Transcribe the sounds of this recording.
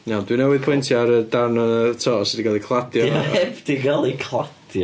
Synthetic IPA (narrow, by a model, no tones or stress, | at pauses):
nawdwinɛwɪðpʰɔjntʰiaɾədarnɔnətʰɔːɔsɔdiɡalˠikʰlˠadjɔɛvd̥iɡalˠikʰlˠad̥jɔ